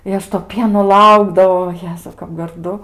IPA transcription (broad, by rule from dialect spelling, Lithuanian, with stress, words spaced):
ɪ ˈɐʃ toː ˈpʲiɛnoː ˈlˠɐʊɡdɐʋɐʊ oː ˈjæːzɐʊ kɐp ɡɐrˈdʊ